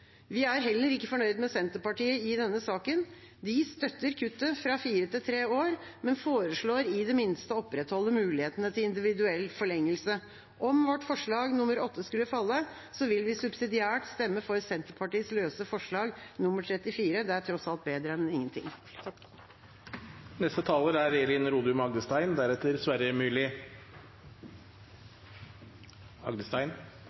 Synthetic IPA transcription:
ʋɪæɾɦɛlːəɾɪkːəfɔɳœʏd̪mɛsɛnt̪əpɑʈiːəɪd̪ɛnːəsɑːkən | d̪ɪst̪œt̪ːəɾkʰʉt̪ːəfɾɑfiːɾət̪ɪlt̪ʰɾeːoːɾmɛnfoːɾəʂɭoːɾɪd̪ɛmɪnst̪əɔpːɾɛt̪hɔlːəmʉːlɪheːt̪ənət̪ʰɪɪnd̪ɪʋɪd̪ʉɛlːfɔɭɛŋːəlsə | ʔɔmʋɔʈːfɔʂɭɑːɡnʊməɾɔt̪ːəskʉlːəfɑlːə | sɔʋɪlʋɪsʉbsɪd̪ɪæːʈst̪ɛmːəfɔɾsɛnt̪əɾpʰɑʈiːsløːsəfɔʂɭɑːɡnʊməʈʰɾɛt̪ɪfiːɾəd̪ɛæʈʰɾɔtsɑlt̪̚beːd̪ɾəɛnɪŋːənt̪ʰɪ̰ŋː | nɛst̪ət̪ʰɑːləɾæɾɛɪəlɪnɾuːd̪ʉmɑɡd̪əst̪æɪnd̪æɾɛt̪ːəɾsʋæɾəmʉːlɪ | ɑɡd̪əst̪æɪn

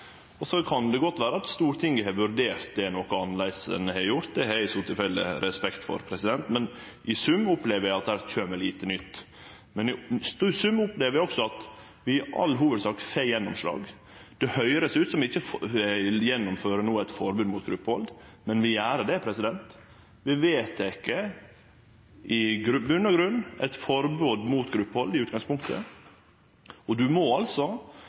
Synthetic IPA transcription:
ɔsɔkʰɑnd̪ɛɡɔt̪ːʋæːɾəɑt̪st̪uːɾt̪ʰɪŋɡəɦɛʋʉɾd̪eːɾt̪̚d̪ɛnɔkəɑnlæɪsə̰nəhɛɾjʊɾt̪̚d̪ɛhæɪsɔt̪ʰɪlfɛlːɪ̰ɾɛspɛkt̪fɔ̰ɾpʰɾɛsɪd̪ɛnt̪mɛn | ʔɪsʉmːʊpleːʋəɾæɑt̪̚d̪æːɾc͡çøːmɛliːt̪ənʏt̪ː | mɛnst̪ʉsʉmːʊpleːʋəɾjɔksɔɑt̪ | ʋɪʔɑ̰lːɦuːʋəd̪sɑːkfejɛnːɔmʂlɑ̰ːɡ | d̪̥ɛhœʏɾəsʉːt̪sɔmʋɪɪçːə | jɛnːɔmføːɾəɳuːɛt̪fɔɾbʉːd̪mʊːt̪ɡɾʉpːəɔ̰ld̪mɛnʋɪæːɾəɖ̪ɛpʰɾɛsɪd̪ɛnt̪ | ʋɪʋeːt̪ɛkːə | ʔɪɡɾbʉnːəɾɡɾʉnːɛ̰t̪fɔɾbʉːd̪muːt̪ɡɾʉpːəɔld̪ɪʉːt̪ɡ̥ɑŋspʰʊŋkt̪ʰə̰ | ɔd̪ʉmɔɑlsɔ

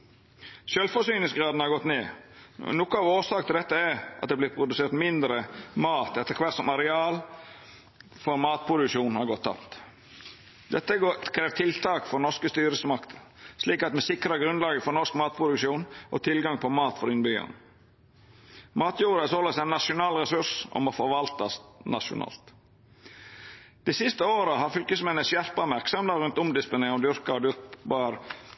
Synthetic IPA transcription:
ʃœlfɔsyːnɪŋsɡɾɑːd̪n̩hɑɾɡɔt̪neːnɔkːʊɑːʋoːsɑːkəɪld̪ɛt̪ːəɛɾʔɑt̪d̪ɛːblɪt̪̚pʰɾʊd̪ʉseːɾt̪mɪnd̪ɾəmɑːt̪ɛt̪ːəkʰʋæt̪sɔmɑɾɛɑːl | fɔɾmɑːt̪̚pʰɾʊd̪ʉkʃuːnhɑɾɡɔt̪ʰːɑ̰pt̪ | d̪ɛt̪ːəkʰɾeːʋt̪ʰɪlt̪ʰɑːkfɔɾnɔskəst̪yːɾəsəmɑkt̪ʰəsliːkɑt̪mɛsɪkɾɑɡɾʉnlɑːɡəfɔɾnɔskmɑːt̪̚pʰɾʊd̪ʉkʃuːnʔɔ̰t̪ʰɪlɡɑŋpʰɔmɑːt̪fɔɾɪnbyːɑ̰n | mɑːt̪ʰjuːɾəsoːləsæɪnːɑʂʊnɑːlɾɛsʉʂɔ̰mɔfɔɾʋɑlt̪ɑsnɑʂʊ̰nɑ̰ːlt̪ | d̪̥ɛːsɪst̪əoːɾəhɑɾfʏlkəsmɛnəsjæɾpɑmæɾksɔmd̪ɑɾʉnt̪ʊmd̪ɪspʊneɔmd̪ʏɾkɑd̪ʏɾbɑɾ

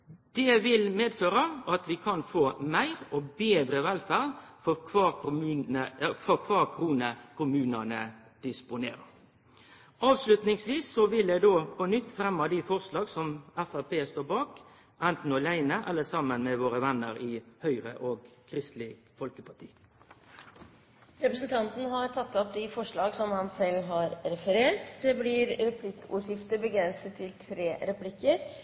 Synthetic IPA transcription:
d̪̥ɛʋɪlmeːd̪føːɾəɑt̪ʋɪkʰɑnfoːmæɪɾɔbeːd̪ɾəʋɛlfæːʁfɔkʰʋɑːʊmʉəfɔkʰʋɑːkʰɾuːnəkʰʊmʉːnɑnə | d̪̥ɪspʊneːɾə̰ | ɑːʋslʉt̪nɪŋsʋiːsːɔʋɪld̪æɪd̪oːpʰɔnʏt̪ːfɾɛmːɑd̪ɪfɔʁslɑːɡsɔmæfæpʰeːst̪oːbɑːk | ʔɛnt̪n̩ɔlæɪnəʔɛlːəsɑmənmɛʋoːɾəʋɛnːəɾɪhœʏʁə̰ʔoːɡkʰɾɪst̪lɪ | fɔlkəpʰɑʈ̪ʰḭː | ɾɛpɾəsn̩t̪ʰɑnt̪n̩ɦɑɾʈ̪ʰɑt̪ʰːɔp̚d̪ɪfɔʂɭɑːɡsɔmhɑnsɛlːɦɑɾɾɛfəɾeːʈd̪ɛːblɪɾɾɛpʰlɪkːṵːʂjɪft̪əbəɡɾɛnsət̪ʰːɪlt̪ʰɾeːɾɛpʰlɪkːəɾ

